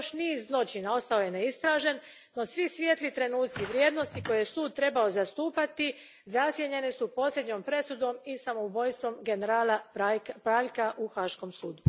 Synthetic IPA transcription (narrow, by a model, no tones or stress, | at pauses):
joʃniːzzlˠo̞t͡ʃinao̞st̪ao̞je̞neist̪ɾaːʒe̞nː | o̞sʋisʋje̞t̪lit̪ɾe̞nuːt̪siʋɾje̞ːd̪no̞st̪iko̞jejesuːd̪̚t̪ɾe̞baozast̪uːpat̪i | zasjeʎe̞nesupo̞slʲe̞d̪ɲo̞mpɾe̞sud̪o̞misamoubo̞jst̪ʋo̞mɡe̞neɾaːlapɾaːʎkaʔuxaːʃko̞msuːd̪u